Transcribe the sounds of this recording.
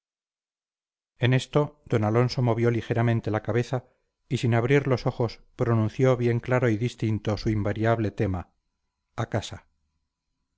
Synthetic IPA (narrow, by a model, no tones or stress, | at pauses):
e̞ne̞st̪o̞d̪o̞nalo̞nso̞mo̞βjo̞lixe̞ɾamẽnt̪e̞lakaβe̞θa | isinaβɾiɾlo̞so̞χo̞spɾo̞nũn̟θjo̞βje̞ŋklaɾo̞iðist̪int̪o̞suimbaɾjaβle̞t̪e̞ma | akasa